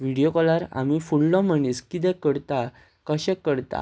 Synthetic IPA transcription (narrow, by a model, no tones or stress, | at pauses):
ʋiɽijokɔlaɾa̰mifuɽlɔ̃m̤əɳiskit̪ɛ̃kəɽt̪a | kəɕɛ̃kːəɽt̪a̰